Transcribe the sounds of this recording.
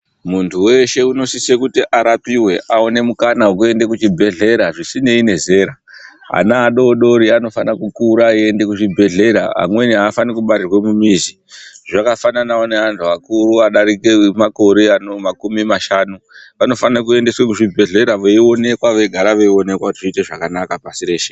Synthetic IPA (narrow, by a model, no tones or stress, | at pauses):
muntʰuwe̞ʃe̞uno̞sisekutiʔaɾapiwe̞ʔaone̞mukanauk̬ue̞nde̞kut͡ʃibʱe̞ɮe̞ɾaʐisine̞ine̞ze̞ɾa | ɦa̰naːɗo̞ɗo̞ɾiano̞fanakukuɾaie̞nde̞kuʐibʱe̞ɮe̞ɾa̰ɦa̰mwe̞niɦaːfanikuɓaɾirwemumizi | ʐakafananaone̞antuakuruaɗaɾikemako̞ɾeanomakumimaʃaːnu | ʋano̞fanak̬ue̞nde̞swekuʐibʱe̞ɮe̞ɾaʋeio̞ne̞kwaʋe̞ɡʱaɾaʋeio̞ne̞kwakutiʐite̞ʐakanakapasiɾe̞ːʃe